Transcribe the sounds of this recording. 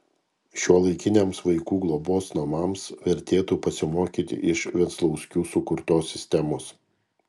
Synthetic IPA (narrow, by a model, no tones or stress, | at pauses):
ʃʲuɔlˠɐɪkʲɪnʲeːmsʋɐɪkuːɡlˠɔboːsnɐmɑmsʋʲɛɾʲt̪ʲeːt̪uːpɐsʲɪmoːkʲiːt̪ʲɪ̰ʔɪʃʋʲɛt̪slˠɒʊsʲkʲuːsʊkʊɾt̪oːsʲɪsʲt̪ʲɛmoːs